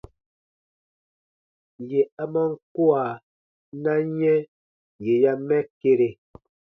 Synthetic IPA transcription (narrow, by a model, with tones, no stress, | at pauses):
je˨a˨ma˦˨ŋ̩˦kwa˨ | na˦ɲɛ˦ | je˨ja˦mɛ˦ke˦ɾe˨